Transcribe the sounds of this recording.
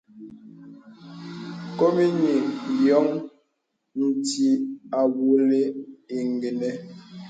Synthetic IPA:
ko˦mi˦ɲi˨jɔ˨˦ŋ | n̩˨ti˦a˨wu˨˦le˦e˨ŋɡe˨nɛ˨

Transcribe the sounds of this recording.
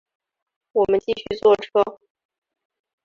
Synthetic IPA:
wɔ˨˩mə˦nt͡ɕi˥˧ɕy˥˧t͡swɔ˥˩ʈ͡ʂʰɤ˥

